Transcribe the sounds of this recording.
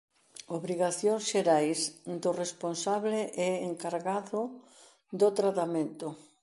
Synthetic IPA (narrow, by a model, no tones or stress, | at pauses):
oβɾiɣaθjoŋsʃeɾajsd̪oresponsaβleʔɛːŋkaɾɣaðʊ | d̪ot̪ɾat̪amẽnt̪ʊ